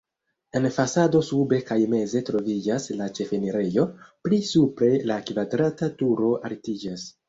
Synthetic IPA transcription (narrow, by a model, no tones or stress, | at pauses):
e̞nfasado̞sube̞kajme̞ze̞tɾo̞vid͡ʒaslat͡ʃe̞feniɾe̞jo̞plisupɾe̞lakvadɾatatuɾo̞ʔa̰ɾtid͡ʒas